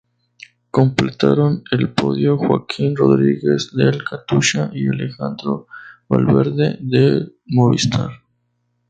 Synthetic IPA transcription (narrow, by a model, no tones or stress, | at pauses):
komplet̪aɾonelpoðjoxwa̰kʰinroðɾiɣezd̪elkʰat̪uʃaʔialexand̪ɾoβa̰lβeɾðḛðe | moβist̪ʰaɾ